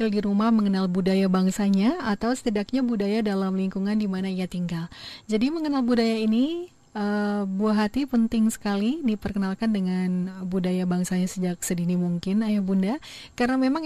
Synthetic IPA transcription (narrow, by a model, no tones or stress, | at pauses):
ɪldiɾumahməŋənalbudajabaŋsaɲaat̪awsə̥t̪idak̚ɲabudajadalamliŋkuŋandimanaiat̪iŋɡald͡ʒadiməŋənalbudajaini | əbuaɦat̪ipənt̪ɪŋsə̥kalidipərkənalkandəŋanbudajabaŋsaɲasəd͡ʒak̚sədinimuŋkɪnajahbundakaɾənamemaŋ